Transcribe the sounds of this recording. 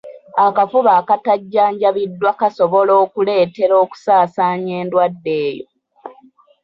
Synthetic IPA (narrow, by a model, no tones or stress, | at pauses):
akafuβaːkataɟːaːɲɟaβidːwakasoβo̞loːkule̞ːte̞ɾo̞ːku̥saːsaːɲeːndwadːe̞ːjo̰